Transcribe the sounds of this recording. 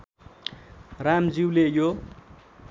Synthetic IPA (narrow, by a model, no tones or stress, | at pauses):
ramd͡ziwlejo